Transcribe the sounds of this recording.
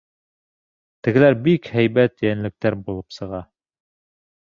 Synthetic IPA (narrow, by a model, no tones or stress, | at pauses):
t̪ɘ̆ɡɘ̆læɾbikhæjβæt̪jænlɘ̆k̚t̪æɾbulˠɤpsɤ̆ʁɑ